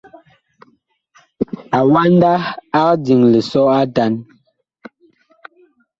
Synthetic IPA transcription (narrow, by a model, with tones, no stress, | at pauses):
a˨wa˦n˦da˦a˦kdi˨ŋlə˨sɔ˦a˦ta˨˦n